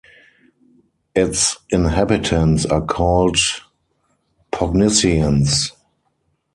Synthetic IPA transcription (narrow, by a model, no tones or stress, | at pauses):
ʔɪtsʔɪ̃nɦæbɪtʰə̃nsakʰɔld | pʰɔɡnɪsiə̃ns